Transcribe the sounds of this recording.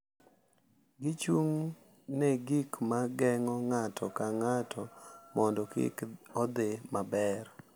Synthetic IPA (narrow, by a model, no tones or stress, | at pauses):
ɡɪt͡ʃuŋ | nɛɡikmaɡɛŋɔŋatʰɔkaŋatʰɔmɔndɔkɪ̰kɔd̪ɪmabɛr